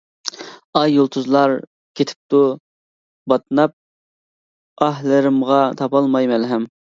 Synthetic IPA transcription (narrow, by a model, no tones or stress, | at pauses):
ɑjːolˠt̪ʰuzlˠɑɾ | kʲʰet̪ʰɪ̥p̚t̪u | bɑt̪nɑp̚ | ɑɦlɪɾɪmʁɑt̪ʰɑpɑlˠmɑjmɛlɦɛm